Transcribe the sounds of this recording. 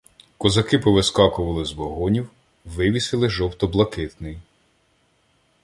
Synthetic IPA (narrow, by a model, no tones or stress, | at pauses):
kɔzɐkɪpɔʋɪskɑkʊʋɐlˠɪzʋɔɦɔnʲiw | ʋɪʋʲisɪlˠɪʒɔwt̪ɔblˠɐkɪt̪nɪj